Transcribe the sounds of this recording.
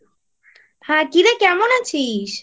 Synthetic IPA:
hãkiɾakɛmonat͡ɕʰiʃ

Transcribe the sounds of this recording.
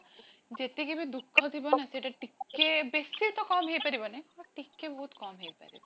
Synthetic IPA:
d͡ʒet̪ekibid̪ukʰːɔt̪ʰibɔnaseʈaʈikːebesit̪ɔkɔmɦejpaɾibɔneaʈikːebɔɦut̪kɔmɦejpa̰ɾib

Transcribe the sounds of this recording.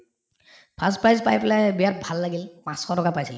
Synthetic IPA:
pʰaspɹajzpajpɛlabijat̚bʱalːaɡilpãskʰɔtɔkapajsil

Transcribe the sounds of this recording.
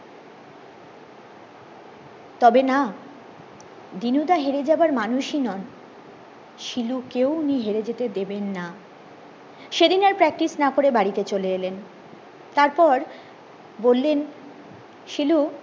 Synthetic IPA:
t̪ɔbena | d̪inud̪aɦeɾed͡ʑabaɾmanuʃinɔn | ʃilukewniɦeɾed͡ʑet̪ed̪ebenːa | ʃed̪inaɾpɾɛk̚ʈisnakoɾebaɾit̪et͡ɕoleelen | t̪aɾpɔɾ | bolːen | ʃilu

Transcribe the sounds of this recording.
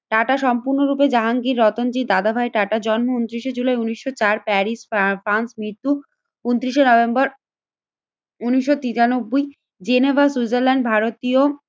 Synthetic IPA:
ʈaʈaʃɔmpuɾnoɾuped͡ʑaɦaŋɡiɾːɔt̪ond͡ʑid̪ad̪abʱaeʈaʈad͡ʑɔnmount̪ɾiʃed͡ʑulajuniʃːot͡ɕaɾpɛɾisfɾansmɾiɾt̪u | unt̪ɾiʃenɔbembɔɾ | uniʃːot̪it̪anobːoj | d͡ʑenebʱasud͡ʑeɾlɛnɖbʱaɾot̪io

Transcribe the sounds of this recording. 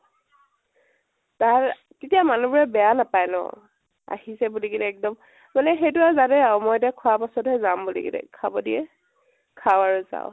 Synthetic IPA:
taɹ | tetijamanubɔɹɛbɛjanapajnɔ̰ | a̰hisɛbulikidɛɛk̚dɔm | manɛxejtʊazadɛaʊmɔjtiakʰɔwapasɔtɦɛzambulḭkḭdɛ̰kʰabɔdijɛ̰ | kʰawaɹuza̰ʊ̃

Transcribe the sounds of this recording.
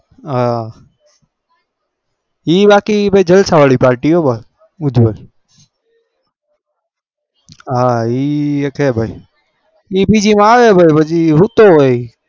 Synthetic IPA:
ɦa | iːbaːkibʱəid͡ʒəlsaʋaɭipaːɾʈiɦobʱai | ʊd͡ʒbəl | aiːekɦeːbʱai | ibiːd͡ʒimãaːʋebʱaibʱəd͡ʒiɾut̪ooei

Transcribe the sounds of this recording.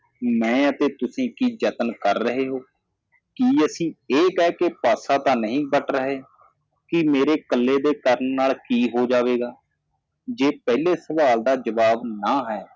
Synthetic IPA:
mɛ̃ːət̪eːt̪ʊsĩːkiːd͡ʒət̪nkəɾːəɦeːɦoː | kiːəsĩːeːkɛːkeːpaːsaːt̪ãːnəɦĩːbəʈʰɾəɦeː | kɪmeːɾeːkəlːeːd̪eːkəɾənːaːlkiːɦoːd͡ʒaːʋeːɡaː | d͡ʒeːpɛileːsəʋaːld̪aːd͡ʒəʋaːbnaːɦɛː

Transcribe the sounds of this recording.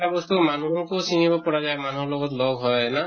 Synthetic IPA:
abɔst̪umanuɦɔkosimibɔpɔɹazajmanuɦɔlɔɡɔtlɔɡɦɔjna

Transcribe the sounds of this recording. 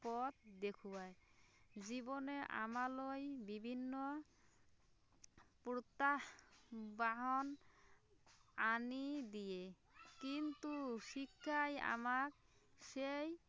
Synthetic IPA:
pɔt̪̚d̪ekʰuaed͡ʑiboneʔa̰malojbibʱinːo | pɾot̪a | baɦɔn | anid̪ije | kint̪uʃikʰːaja̰mak̚ | ʃej

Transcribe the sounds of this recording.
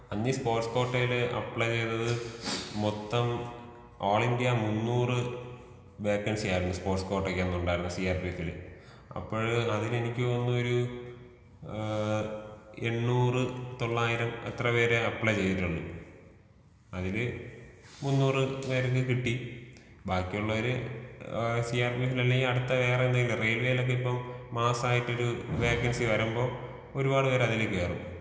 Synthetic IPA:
ɐnːispoːʈsko̞ːʈːɐjilɨʔɐ̰pːɭɐt͡ɕe̞jnːɐðɨmot̪ːɐm | oːɭindijɐmunːuːrɨ | ʋeːkːɐnsijaːjɾunːuspoːrʈsko̞ːʈːekːeenːuɳɖaːiɾunːɐsijaːrpijɐt̪ːil̰ | ɐ̰pːoːɻɐðilenikʲːɨonːuoɾu | e̞ɳːuːrɨt̪o̞ɭːaːjiɾɐmet̪rɐpe̞ːɾeɐpːɭɐt͡ɕe̞jːiʈːuɭːṵ | ɐðilɨ | munːuːrɨʋɐɾok̬ːɨkiʈːi | baːkːijuɭːɐʋɐɾe | siaːrpiːfilɐlːeŋɡilɐɽut̪ːɐʋe̞ːrɐend̪aːŋːɡilrejlʋeːjilo̞k̬ːeipːɐmːaːsaːjiʈːo̞ɾuʋeːkːɐnsiʋɐɾɐmbo̞ː | o̞ɾubaːɽɨʋɐɾeɐðilekːeːrṵ

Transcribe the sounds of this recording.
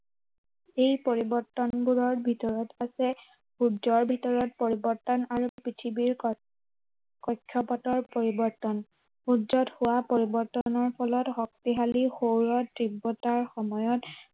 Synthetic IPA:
ejpoɹibɔɹtɔnbuɹɔɹbʱitɔɹɔtasɛ | hudzɔɹbʱitɔɹɔt̚poɹibɔɹtɔnaɹupɹitʰibiɹ | kɔjkʰːjɔpatɔɹpoɹibɔɹtɔn | hudzɔthʊwapoɹibɔɹtɔnɔɹpʰɔlɔthɔk̚tiɦalixowɹɔtɹibːɔtaɹxɔmɔjɔt

